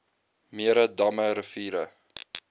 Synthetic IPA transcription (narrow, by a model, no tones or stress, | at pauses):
miəɾədɐməɾəfiːɾə